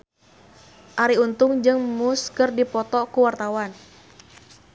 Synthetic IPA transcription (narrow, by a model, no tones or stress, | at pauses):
ʔaɾiunt̪ʊŋd͡ʒɨŋmuskɨrdipɔt̪ɔkuwart̪awan